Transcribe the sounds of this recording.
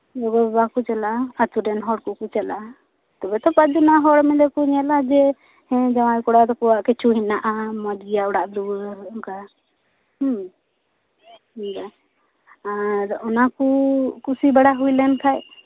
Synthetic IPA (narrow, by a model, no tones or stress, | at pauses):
lɔɡɔɛbakut͡ʃɛlaːt̪uɾɛnɦɔɽkukut͡ʃala | t̪ɔbɛt̪ɔpat͡ʃd͡ʒɔnaɦɔɽmɛd̪ɛkuɲɛlad͡ʒɛ | hɛ̃d͡ʒawajkɔɽad̪ɔkɔwaʔkɛt͡ʃʰuɦinaʔamad͡ʒijaɔɽaʔd̪uɡɔnka | h | ika | aɾɔnakukusibaɽaɦujlɛnkʰaj